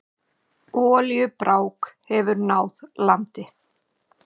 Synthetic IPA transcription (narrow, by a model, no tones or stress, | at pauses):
ɔːljʏpɾaːwkhɛvʏɾnaːwðlant̪ɪ